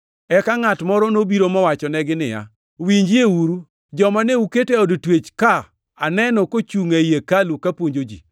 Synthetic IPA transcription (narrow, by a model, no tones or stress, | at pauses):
ɛkaŋatmɔɾɔnobiɾomɔwat͡ʃɔnɛɡɪnɪ̰ja̰ | wiɲd͡ʒiewuɾu | d͡ʒɔmaneuketeɔdtwet͡ʃka | anɛnɔkot͡ʃuŋajekalukapwoɲd͡ʒod͡ʒḭ